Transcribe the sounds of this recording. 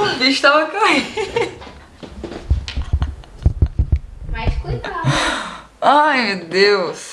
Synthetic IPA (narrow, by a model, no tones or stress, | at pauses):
viʃt̪aɐkai | majʃkut̪ | ajmewd̪ews